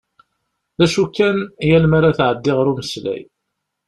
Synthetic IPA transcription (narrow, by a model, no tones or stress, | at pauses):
ðæʃukːænjælmaɾaθʕəd̪ːɪʁɾuməslæ̰j